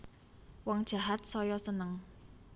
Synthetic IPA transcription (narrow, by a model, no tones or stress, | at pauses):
wɔŋd̥ʒ̥a̤ɦat̪̚sɔjɔsənəŋ